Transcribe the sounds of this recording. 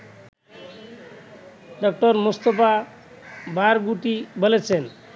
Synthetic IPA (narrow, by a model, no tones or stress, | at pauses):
ɖɔk̚ʈɔɾmust̪ɔpa | baɾɡuʈibolet͡ɕʰen